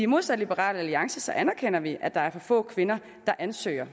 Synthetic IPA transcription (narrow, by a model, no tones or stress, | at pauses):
imo̝ð̞̰ˠsæd̥lib̥əʁɑ̰̈ːləæliɑ̈ŋsəsɒ̽ʔænæɐkʰen̰ɐʋiʔæd̥ɑ̈æɐfɒfɔ̰̽ːkʰʋe̝nɐ | d̥ɑ̈ʔænsø̰ːɐ